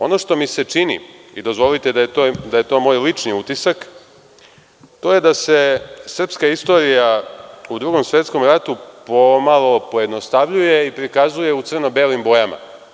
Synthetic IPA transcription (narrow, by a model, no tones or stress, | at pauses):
o̞no̞ʂt̪o̞miset͡ʂinḭid̪o̞zʋo̞lit̪ed̪aet̪od̪aje̞t̪o̞ːmo̞jlit͡ʂniut̪isak | t̪o̞ːje̞d̪ase̞sr̩pskaist̪o̞ɾijaud̪ɾuːɡo̞msʋe̞t̪sko̞mɾat̪upo̞malˠo̞po̞je̞d̪nost̪aʋʎuje̞ipɾikazuje̞ut̪sr̩no̞beːlimbo̞jama̰